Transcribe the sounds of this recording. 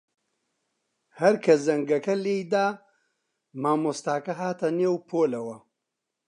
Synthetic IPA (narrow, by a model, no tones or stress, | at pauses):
hɐɾkʰɐzɐŋɡɐkɐleːjd̪aː | maːmoːst̪aːkɐɦaːt̪ɐneːwpʰoːlɐwɐ